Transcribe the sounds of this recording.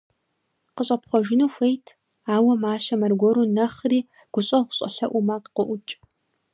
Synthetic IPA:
qəɕʼɐpχʷɔʒɪnuːxʷejtʰ | aːwɐmaːɕɐmɐrɡʷɔɾunɐχriː | ɡ̥ʷʊɕʼɐʁʷʊɕʼɐ̰ɬɐʔʷʊmaqqʷʊʔʷʊt͡ʃʼ

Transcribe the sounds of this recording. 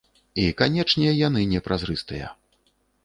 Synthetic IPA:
ikanʲɛt͡ʂnʲɛjɛjan̪ɨnʲɛpɾʔazɾɨst̪ɨjɐ̰

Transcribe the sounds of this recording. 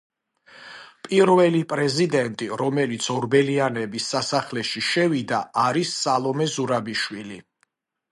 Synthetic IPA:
pʼiɾvɛlipʼɾɛzid̪ɛnt̪ʼiɾɔmɛlit̪sʰɔɾbɛlianɛbisːasaχlɛʃiʃɛvid̪aaɾisːalˠɔmɛzuɾabiʃwili

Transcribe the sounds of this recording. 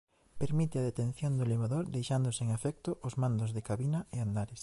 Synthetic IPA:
peɾmit̪ɪaðet̪enθjond̪ʊliβaðoɾd̪ejʃand̪ʊseŋefɛk̚t̪ʊʔʊzmand̪ozðekaβinɐeand̪aɾes

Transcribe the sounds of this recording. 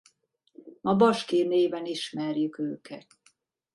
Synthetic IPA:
mɒbɒʃkeːneːvɛniʃmɛrjykøːkʰɛt̪

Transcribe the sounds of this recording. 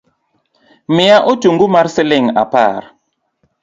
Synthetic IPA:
mijaʔotuŋɡumaɾseleŋa̰pa̰ɾ

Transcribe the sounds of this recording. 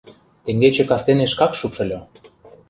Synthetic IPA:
t̪eŋɡet͡ɕĕkɑst̪eneʃkɑkʃupʃɤ̆lʲo

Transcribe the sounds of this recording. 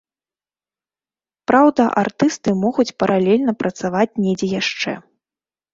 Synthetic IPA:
pɾʔawd̪ɐʔart̪ɨst̪ɨmɔɣut͡sʲpɐɾʔalʲɛlʲnɐpɾʔɐt̪savat͡sʲnʲɛd͡zʲɛjaʂt͡ʂɛ̰

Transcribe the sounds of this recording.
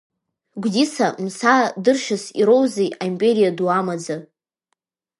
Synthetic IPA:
ɡʷdisamsadɨrʃasiɾo̞wzejaimpʼe̞ɾijaduamad͡zɨ

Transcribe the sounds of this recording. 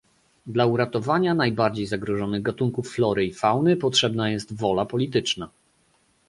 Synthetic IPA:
d̪lauɾat̪ɔvaɲanajbaɾd͡ʑejzaɡɾɔʐɔnɘɣɡat̪uŋkufːlɔɾɘifawnɘpɔtʂɛbnajɛst̪vɔlapɔlʲit̪̬ɘt͡ʂna

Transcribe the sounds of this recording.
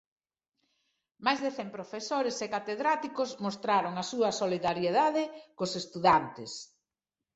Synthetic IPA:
majzðeθɛmpɾofesoɾesekat̪eðɾat̪ikozmost̪ɾaɾoŋasuɐsoliðaɾjeðaðɪkʊsest̪uðant̪ɪs

